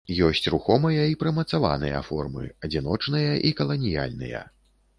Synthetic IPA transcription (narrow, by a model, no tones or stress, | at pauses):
jɔsʲt͡sʲruxɔmɐjɐipɾɐmɐt̪sava̰nɨjɐ̰fɔrmɨ̰ɐd͡zʲinɔt͡ʂnɨjɐʔikɐlˠɐnʲija̰lʲnɨ̰jɐ̰